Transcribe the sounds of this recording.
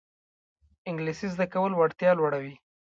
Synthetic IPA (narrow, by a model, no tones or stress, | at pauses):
ɪŋɡlisizd̪akawəlwaɽt̪jɑlwaɽawi